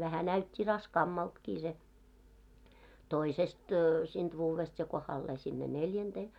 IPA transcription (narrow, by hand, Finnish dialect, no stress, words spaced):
ʋæhæ næytʲːi rɑskɑːmːɑltkiː se toisest siːnt ʋuːʋest jɑ kohɑlːeː sinːe neljænd̥eː